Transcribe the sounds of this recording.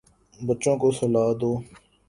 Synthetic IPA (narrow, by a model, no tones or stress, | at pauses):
bət͡ʃõːkoːsəlaːd̪oː